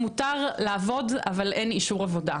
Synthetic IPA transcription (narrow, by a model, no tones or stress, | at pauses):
mutaʁlaːvo̞da̰valʔeniʃuʁavo̞da